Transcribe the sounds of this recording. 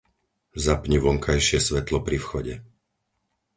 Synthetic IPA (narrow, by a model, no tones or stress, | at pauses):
zapɲiʋɔŋkʰajʃɪɛsʋɛt̪lɔpɾifxɔɟɛ